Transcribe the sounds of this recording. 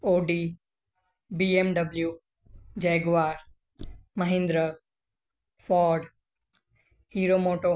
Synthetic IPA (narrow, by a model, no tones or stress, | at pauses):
oːɖi | biemɖəbljuː | d͡ʒeːɡʋaːɾ | məɦɪ̃nd̪ɾə | fɔːɖ | hiːɾomoːʈo